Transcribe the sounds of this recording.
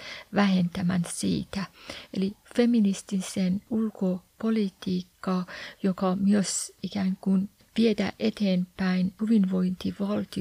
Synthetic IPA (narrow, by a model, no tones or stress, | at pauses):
ʋæhent̪æmænsḭːt̪æḛlifeminist̪isenulkopolit̪iːkːɑːjokɑmyøsikæːŋkun | ʋiet̪æ̰ʔet̪eːmpæinhyʋinʋo̞int̪iʋɑlt̪i